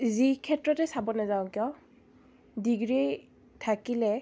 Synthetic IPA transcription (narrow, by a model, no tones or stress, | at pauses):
zikʰɛtɹɔtɛsabɔnazaʊ̃kijɔ | diɡɹi | tʰakilɛ